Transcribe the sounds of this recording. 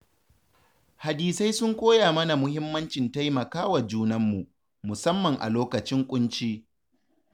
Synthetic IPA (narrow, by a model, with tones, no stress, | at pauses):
ha˨diː˨sa˦jsʊ˦ŋkʷoː˦jaː˨mɐ˦na˨mʊ˦hɪ˦mːɐ˦nt͡ʃɪ˨nta˦jmɐ˨kaː˦wa˨d͡ʒuː˦nɐ˦mːu˨ʔ | mʊ˨sɐ˦mːɐ˨ŋʔa̰˨loː˦kɐ˨t͡ʃɪ˦ŋkʷʼʊ˦nt͡ʃiː˦